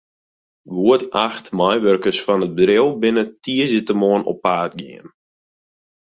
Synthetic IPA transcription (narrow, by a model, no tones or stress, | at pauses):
ʋuətaxtmajʋørkəsfɔnəd̚bədrɪlˠbɪnətʰiəzitəmoənɔ̰pːaːt̚ɡḭən